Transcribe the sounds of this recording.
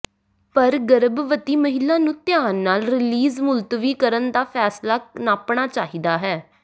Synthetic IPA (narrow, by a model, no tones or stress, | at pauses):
pəɾɡəɾəbʋət̪iːməɦɪlːãːnũːt̪ɪjaːnːaːlɾɪliːzmʊlt̪ʋiːkəɾənd̪aːpʰɛːslaːnaːpɳaːt͡ʃaːɦiːd̪aːɦɛː